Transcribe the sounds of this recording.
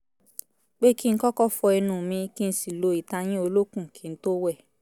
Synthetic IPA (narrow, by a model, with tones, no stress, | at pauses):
k͡pe˦ki˦n̩˦kɔ˦kɔ˦˨fɔ˧ɛ˧nũː˨mĩ˧ki˦n̩˦si˨lo˧i˨ta˧j̃ĩ˦o˧lo˦kũ˦˨kʰĩ˨˦n̩˦to˦wɛ˦˨